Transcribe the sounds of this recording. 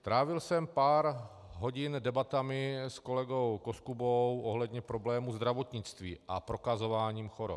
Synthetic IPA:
t̪ɾaːvɪlsɛmpaːɾ | ɦo̞ɟɪndɛbat̪amɪsko̞lɛɡo̞wkoskubowʔoɦlɛd̪ɲɛpɾo̞blɛːmuzd̪ɾavo̞t̪ɲɪt͡st̪vḭːʔapɾo̞kazo̞vaːɲiːmxoɾo̰

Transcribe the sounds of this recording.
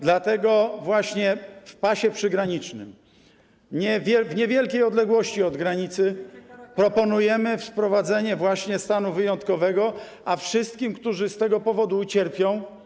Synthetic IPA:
d̪lat̪ɛɡɔvwaɕɲɛfpaɕɛpʂɘɡɾaɲit͡ʂnɘ̰m | ɲɛvʲɛvɲɛvʲjɛlkʲejɔd̪lɛɡwɔɕt͡ɕiɔd̪ɡɾaɲit̪sɘpɾɔpɔnujɛmɘfspɾɔvad̪zɛɲɛvwaɕɲɛst̪anuvɘjɔnt̪kɔvɛɡɔ | ʔafʂɘst̪̚kʲimkt̪uʐɘst̪ɛɡɔpɔvɔd̪uːt͡ɕɛɾpʲjɔ̃w̃

